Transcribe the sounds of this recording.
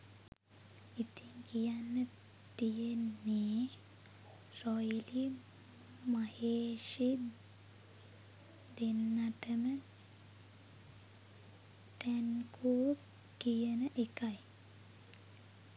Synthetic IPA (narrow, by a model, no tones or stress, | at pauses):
it̪iŋkijanːə | t̪ijenːe | rɔjli | maheːʃi | d̪enːaʈəmə | t̪ɛnkʰuː | kijənəʔekaj